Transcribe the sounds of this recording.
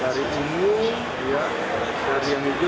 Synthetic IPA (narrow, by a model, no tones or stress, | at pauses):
aɾiʔunu | ja | daɾijaŋid͡ʒ